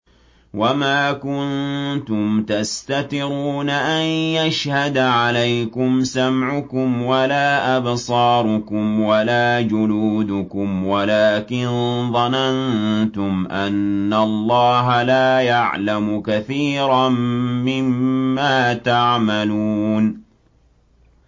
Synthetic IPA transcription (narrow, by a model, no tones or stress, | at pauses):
wamaːkʊnt̪ʊmt̪ast̪at̪ɪɾuːnaʔanjaʃhad̪ʕalajkʊmsamʕʊkʊmwalaːʔabsˤɑːɾˤʊkʊmwalaːd͡ʒʊluːd̪ʊkʊmwalaːkɪnðˤɑnant̪ʊmʔanːalˤːɑːɦalaːjaʕlamʊkaθiːɾamːɪmːaːt̪aʕmaluːn